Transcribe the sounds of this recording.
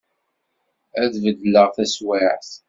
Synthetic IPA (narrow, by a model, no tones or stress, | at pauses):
æðvəd̪ːələʁθæswaʕθ